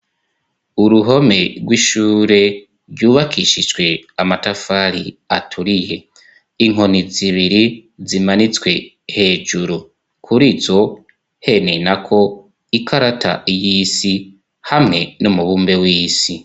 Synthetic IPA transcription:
uɾuɦo̞me̞ɡwiʃuːɾe̞ | ɾjuːβakʰiʃid͡ʒɡwe̞amatafaɾiatʰuɾije̞ | iŋ̥o̞niziβiɾizimanit͡swe̞ | he̞ːʒuɾu | kʰuɾizo̞ | he̞nenakʰo̞ | ikʰaɾatʰa̰ijiːsi | hamŋe̞numuβuːmbe̞wiːsi

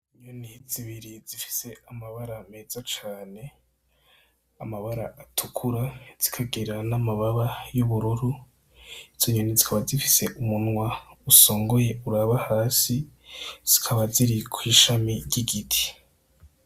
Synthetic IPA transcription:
iɲoniziβiɾizifi̥se̞amaβaɾame̞ːz̥at͡ʃaːne̞ | amaβaɾaʔatʰukʰuɾaz̥i̥kʰaɡeɾanamaβaβajuβuɾuɾu | iz̥oɲonizikʰaβazifi̥se̞ʔumunŋwauso̞ːŋɡo̞je̞uɾaβahaːsiz̥i̥kʰaβaziɾikʰwiːʃamiɾɟiɡitʰi̥

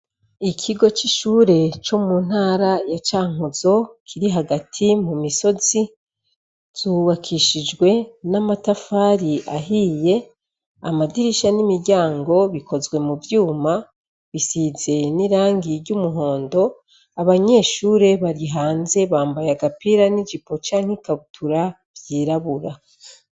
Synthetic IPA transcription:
ikʰiɡo̞t͡ʃiʃuːɾe̞t͡ʃomun̥haːɾajat͡ʃaːŋ̥uz̥o̞kʰiɾiɦaɡatʰimumiso̞zi | z̥uwakʰiʃid͡ʒɡwe̞namatafaːɾiʔaɦiːje̞ | a̰madiɾiʃanimiɟaːŋɡo̞βikʰo̞zɡwe̞muvjuːma | βisize̞niɾaːŋɡiɾɟumuɦo̞ːndo̞ | aβaɲe̞ːʃuːɾe̞βaɾiɦaːnze̞βaːmbajaɡapiɾanid͡ʒipo̞t͡ʃaːŋ̥hekaβutʰuɾa | v̥jiːɾaβuɾa

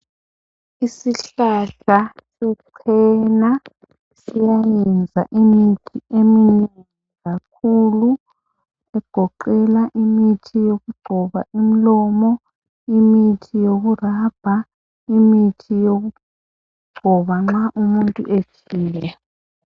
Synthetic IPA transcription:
isiɬaɬasɛǀʰɛna | sijajɛnd͡zʱa̰ʔimitʰiʔeminn | iɣak̚ʰuːlu | ɛɡ̥ʱɔǃɛlaʔimitʰijoɣuɡ͡ǀʱɔβa̰ʔimilɔmɔ | imitʰijoɣurab̥ʱa | imitʰijoɣu | ɡ͡ǀʱɔβaŋ͡ǁaʔumuntʼuʔet͡ʃʰʼiːjɛ

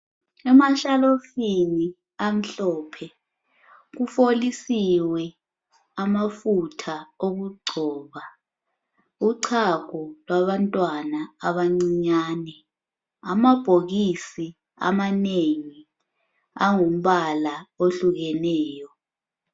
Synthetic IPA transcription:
ɛmaʃalofini | am̩ɬɔːpʰɛ | k̬ufolisiwɛ | amafutʰaoɣuɡ͡ǀʱɔːβa | uǀʰakɔlwaβantʼwanaːɓaŋ͡ǀiɲaːnɛ | amab̥ʱoɣisi | a̰maneŋi | aŋom̩ɓalaoɬuɣɛnɛːjɔ

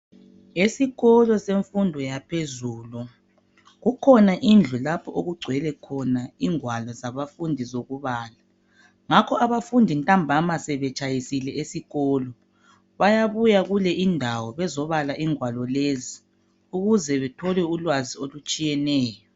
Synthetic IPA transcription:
esiɣɔlɔseɱfundʱɔjapʰezuːlɔ | ɣukʰɔnaʔind͡ɮʱulapʰɔoɣuɡ͡ǀʱwɛlɛkʰɔnaiŋwalɔzaβafundʱizoɣuβaːla | ŋakʰɔʔaβafundʱintʼambʱamasɛβɛt͡ʃʼajisilɛʔesiɣɔːlɔ | βajaβujaɣulɛʔindʱawɔβɛzɔβalaʔiŋwalɔlezi | uɣuzɛβɛtʰɔlɛulwaziolut͡ʃʼijɛnɛːjɔ

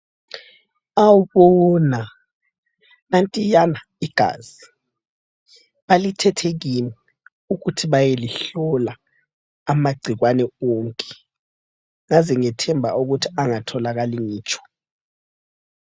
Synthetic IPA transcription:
awuβɔna | nantʼijana | iɡ̥ʱa̰ːz̥i | βalitʰɛtʰeɣinɛ | uɣutʰiβajeliɬɔla | amaɡ͡ǀʱiɣwanɛoŋkʼɛ̥ | ŋazɛŋɛtʰɛmbʱa̰uɣutʰi̥aŋatʰɔlaɣaliŋiːt͡ʃʰʼɔ̥

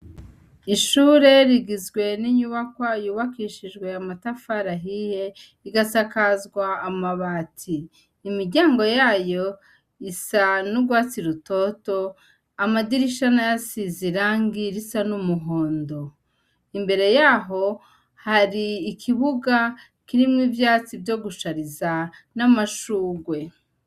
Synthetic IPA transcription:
iʃuːɾe̞ɾiɡizɡwe̞niɲuβakwajuːβakiːʃiʒɡwe̞amatafaɾaɦije̞ | iɡasakazɡwaːmaβaːtʰiː | miɾɟaːŋɡo̞jaːjo̞ | isanuɡwaːt͡siɾuto̞to̞ | amadiɾiʃanajasiziɾaːŋɡiɾisanumuɦo̞ːndo̞ | imbe̞ɾe̞jaɦo̞ | haɾiːkʰiβuɡa | kiɾimŋivjaːt͡sivjo̞ɡuʃaɾizanamaʃuːɡwe̞

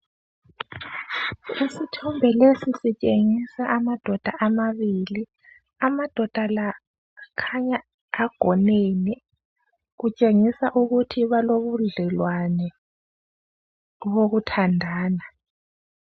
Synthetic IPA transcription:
isitʰɔmbʱɛlesisit͡ʃʼeŋisaʔamad̥ʱɔd̥ʱaʔamaβili | amad̥ʱɔd̥ʱala | kʰaɲaː | ɡ̥ʱɔneni | ɣut͡ʃʼeŋisaʔuɣutʰiβaloβuɮɛlwanɛ | ɣoɣutʰandʱaːna

